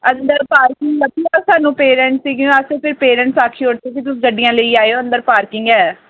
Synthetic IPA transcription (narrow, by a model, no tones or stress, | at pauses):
ənd̪əɾpaːɾkɪŋɡbət̪iːaːsaːnũːpeːɾɛ̃ɳʈsiːɡjõːəsepʰɪɾpeːɾɛ̃ːɳʈsaːkʰiːoːʈt̪eːk̬it̪̬ʊsːɡəɖɪjãːləiːaːeoːənd̪əɾpaːɾkɪŋɡɛː